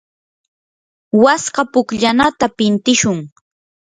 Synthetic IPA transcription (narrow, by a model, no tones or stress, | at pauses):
wasɢɑpʊkʎanat̪apɪnt̪ɪʃʊŋ